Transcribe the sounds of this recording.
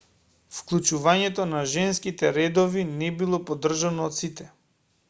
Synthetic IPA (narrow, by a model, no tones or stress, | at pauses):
fklˠut͡ʃuvaɲɛt̪ɔnaʒɛnskit̪ɛɾɛd̪ɔvinɛbilˠɔpɔd̪r̩ʒanɔːt̪sit̪ɛ